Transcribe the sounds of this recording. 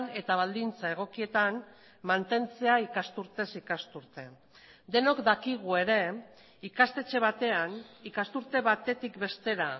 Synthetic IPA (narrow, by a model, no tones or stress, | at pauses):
ne̞t̪aβ̞ald̪int͡sae̞ɣ̞o̞kie̞t̪an | mant̪e̞nt͡se̞aikast̪uɾt̪e̞sikast̪uɾt̪e̞ | d̪e̞no̞kd̪akiɣ̞ue̞ɾe̞ | ikast̪e̞t͡ʃe̞β̞at̪e̞anikast̪uɾt̪e̞βat̪e̞t̪ikbe̞st̪e̞ɾa